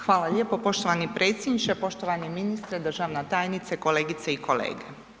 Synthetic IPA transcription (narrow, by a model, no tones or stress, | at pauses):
xʋaːlaʎʲepopo̞ʃt̪oʋanipɾe̞ːt̪sʲjed̪nit͡ʃepo̞ʃt̪oʋaneminist̪ɾed̪r̩ʒaʋnat̪aːjnit̪seko̞leːɡit̪seikʰo̞lḛːɡe